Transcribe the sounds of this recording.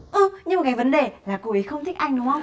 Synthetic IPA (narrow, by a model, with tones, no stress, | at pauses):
ʔə˧ɲɨ˧mo˨˩kaː˨˦jvə˨˦nɗe˨˩laː˨˩ku˨˧˩i˨˦xə˧wŋ͡mt̪ʰi̟˦˥ʔa˧jŋ̟ɗʊ˨˦ŋ͡mə˧wŋ͡m